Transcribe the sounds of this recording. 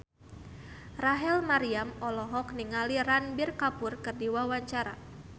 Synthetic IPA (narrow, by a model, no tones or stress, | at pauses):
raɦɛlmaɾiamɔlɔɦɔkniŋaliranbirkapʊrkɨrdiwawaɲt͡ʃaɾa̰